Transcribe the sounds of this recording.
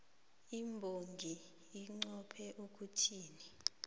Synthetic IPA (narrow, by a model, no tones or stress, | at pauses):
imbʱoŋɡʱi | iŋ͡ǀɔpʰɛʔukʰʼutʰiːni